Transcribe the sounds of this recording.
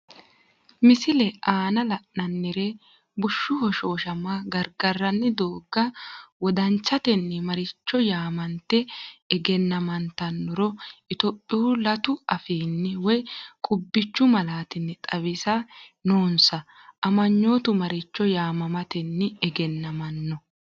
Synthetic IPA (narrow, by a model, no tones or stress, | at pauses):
mɪsɪlɛʔaːnɐlɐʔːɐnːɪɾe | bʊʃːʊhɔʃoːʃɐmaɡɐɾɡɐrːɐnːɪd̪oːɡːɐwɔd̪ɐnt͡ʃːɐt̪ɛnːɪmɐɾɪt͡ʃːɔjaːmɐnt̪ːɛɡɛnːɐmɐnt̪ɐnːʊɾɔɪt̪opʼːɪʊːlɐt̪ʊɐfiːnːɪwɔjkʼʊbːɪt͡ʃːʊmɐlaːt̪ɪnːɪt̪ʼɐwɪsɐnoːnsɐ | ʔɐmɐɲːo̞ːt̪ʊmɐɾɪt͡ʃːɔjaːmɐmɐt̪ɛnːɪɛɡɛnːɐmɐnːɔ